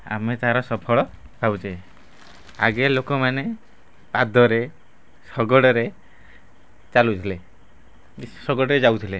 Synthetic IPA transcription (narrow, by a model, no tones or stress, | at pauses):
a̰met̪aɦaɾɔsɔpʰɔɭɔ | bʱabut͡ʃe | a̰ɡelokɔmane | pad̪ʱɔɾe | sɔɡɔɽɔɾe | t͡ʃalut̪ʰile | sɔɡɔɽɔɾed͡ʒawt̪ʰile